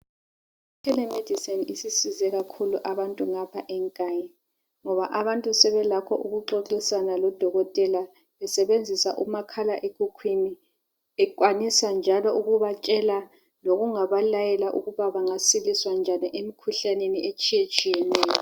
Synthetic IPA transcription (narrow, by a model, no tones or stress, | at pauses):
kʰɛlɛmed̥ʱisɛnisisizɛɣakʰuluʔaβantʼuŋapʰaʔɛŋkʼaːɲɛ | ŋɔβaʔaβantʼusɛβɛlakʰɔ̰ʔuɣuǁoǁisanalɔd̥ʱɔɣɔtʼɛla | βɛsɛβend͡zʱisaʔumakʰalaʔeɡ̥ʱukʰwini | ɛkʼwanisand͡ʒʱalɔʔuɣuβat͡ʃʼɛla | noɣuŋaβalajɛlaʔuɣuβaβaŋasiliswand͡ʒʱaniʔemikʰuɬaneniʔet͡ʃʼijet͡ʃʼijɛnɛːjɔ